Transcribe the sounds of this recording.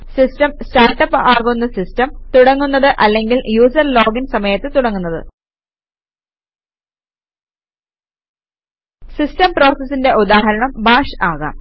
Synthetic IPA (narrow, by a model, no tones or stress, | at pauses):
sistɐmstaːrʈːɐpːaːɣunːɐsistɐmt̪uɽɐŋːunːɐðɨʔɐlːe̞ŋɡiljuːsɐrlo̞ːɡinsɐmɐjɐt̪ːɨt̪uɽɐŋːunːɐðɨ̰ | sistɐmpro̞ːrsɐsːinde̞ʔud̪aːɦɐɾɐɳɐmbaːʂɨaːɣa̰ːm